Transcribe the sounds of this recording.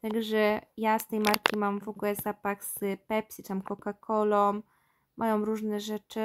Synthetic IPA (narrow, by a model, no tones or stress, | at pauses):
t̪aɡʐɛjast̪ɛjmaɾkʲimamvɔɡulɛzapaxz̥pɛpʲsʲit̪amkɔkakʰɔlɔmː | ʔajɔwɾuʐnɛʐɛt͡ʂɘ